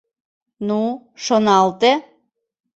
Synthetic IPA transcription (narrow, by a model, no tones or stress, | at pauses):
nu | ʃonɑlt̪e